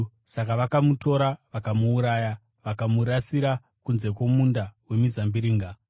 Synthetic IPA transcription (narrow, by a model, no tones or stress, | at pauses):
sakaʋakamuto̞ɾaʋakamuːɾaːja | ʋakamuɾasiɾa | kunze̞kwo̞mundawe̞mizambiɾiːŋɡa